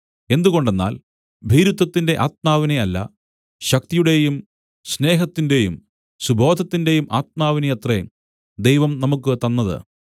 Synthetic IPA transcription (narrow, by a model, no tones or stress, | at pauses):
e̞nd̪uɣo̞ɳɖe̞nːa̰ːl | bʱiːɾut̪ːɐt̪ːinde̞ʔaːt̪̚maːʋineɐlːɐ̰ | ɕɐk̚t̪ijuɽe̞jum | sne̞ːɦɐt̪ːinde̞jum | subʱo̞ːd̪ʱɐt̪ːinde̞jumʔa̰ːt̪̚maːʋinejɐt̪re | d̪ejʋɐmnɐmukːɨt̪ɐnːɐðɨ̰